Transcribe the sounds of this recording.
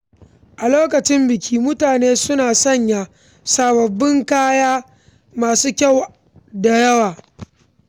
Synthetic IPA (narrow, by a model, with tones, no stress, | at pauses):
ʔa˨loː˦kɐ˨t͡ʃɪ˦mbɪ˨kʲʰiː˦mʊ˦taː˨neː˦sʊ˦naː˨sɐ˦˨ɲja˨ | saː˨bɐ˨bːɪ˦ŋkaː˦jaː˦ | maː˨suː˦kʲa˦˨w | da˨jɐ˦waː˨